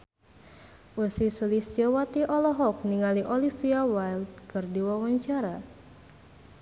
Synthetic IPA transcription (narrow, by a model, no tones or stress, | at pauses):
ʔusisulisawat̪iʔɔlɔɦɔk̚niŋaliʔɔlifiawajld̚kɨrdiwawaɲt͡ʃaɾa